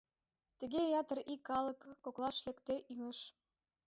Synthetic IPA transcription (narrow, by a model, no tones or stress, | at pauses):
t̪ɘ̆ɣejɑt̪ə̆rikːɑlɤ̆kːoklɑʃlĕkt̪eʔyŋə̆ʃ